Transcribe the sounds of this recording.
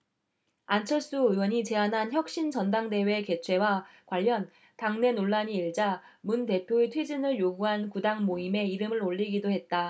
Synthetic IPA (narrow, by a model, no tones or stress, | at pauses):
ant͡ɕʰʌɭs͈uɯwʌɲit͡ɕe̞anɦançjʌk̚ɕ͈int͡ɕʌndaŋde̞we̞ke̞t͡ɕʰwe̞wakwaʎːʌn | taŋne̞noɭːaɲiːɭd͡ʑamunte̞pʰjoetʰwed͡ʑinɯɭjoɡuɦankudaŋmoime̞iɾɯmɯɾoʎːiɡidoɦe̞t̚t͈a